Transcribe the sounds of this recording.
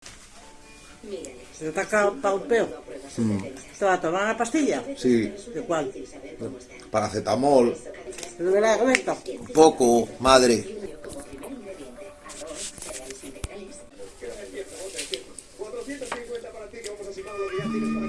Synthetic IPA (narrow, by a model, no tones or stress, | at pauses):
seðet̪akapaumpeo | st̪eβat̪oɾnaɾnapast̪iʎasid̪ekwal | paɾaθet̪amoleðeβelaðɣaβet̪apokomaðɾe